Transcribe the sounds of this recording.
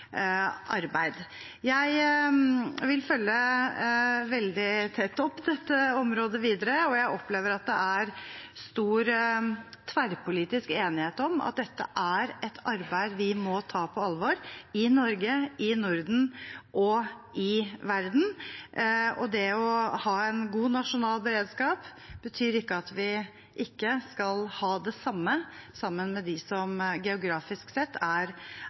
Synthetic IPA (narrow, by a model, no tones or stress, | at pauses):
ʔɑɾbæɪd̪ | jæɪ | ʋɪlfœlːə | ʋɛld̪ɪt̪ʰɛt̪ːɔpːd̪ɛt̪ːəɔmɾoːd̪əʋiːd̪əɾəɔjæɪʔɔpleːʋəɾɑt̪̚d̪ɛ̰ʔæɾst̪uːɾ | t̪ʰʋæɾpʊliːt̪ɪskeːnɪheːt̪ɔmɑ̰t̪̚d̪ɛt̪ːə̰ʔæɾɛt̪ʰɑɾbæɪd̪ʋɪmɔt̪ʰɑːpʰɔɑlʋɔɾɪnɔɾɡəɪnʊɾd̪n̩ʔɔ | ɪʋæɾd̪n̩ | ɔd̪ɛɔhɑːɛnɡuːnɑʂʊnɑːlbəɾeːd̪skɑːp | b̥ət̪ʰyːɾɪkːəɑt̪ʋɪ | ʔɪkːəskɑlhɑːd̪ɛsɑmːəsɑmːənmɛd̪ɪsɔmɡɛʊɡɾɑːfɪsksɛt̪ːæɾ